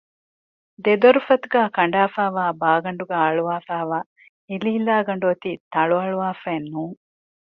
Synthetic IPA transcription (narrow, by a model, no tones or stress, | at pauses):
d̪ed̪oɾufɐt̪uɡaːkɐɳɖaːfaːʋaːbaːɡɐɳɖuɡaːɐɭuʋaːfaːʋaː | iliɦilaːɡɐɳɖuɐt̪iːt̪ɐɭuɐɭuʋaːfæːnːuːŋ